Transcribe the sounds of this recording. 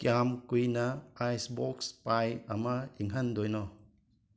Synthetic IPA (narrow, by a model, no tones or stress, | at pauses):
kiamkujnɐajsbɔkspajɐmaiŋɦɐndɔjnɔ